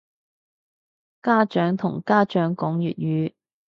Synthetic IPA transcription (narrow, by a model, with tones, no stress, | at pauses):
kaː˥t͡ʃœː˨˥ŋt̪ʰʊ˨˩ŋkaː˥t͡ʃœː˨˥ŋkɔː˨˥ŋjy̰ː˨t̚jyː˨˧